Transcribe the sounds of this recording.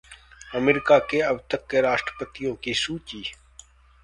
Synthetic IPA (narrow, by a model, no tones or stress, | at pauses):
əmeɾɪkaːkeːəbt̪əkːeːɾaːʃʈɾəpət̪ijõːkiːsuːt͡ʃiː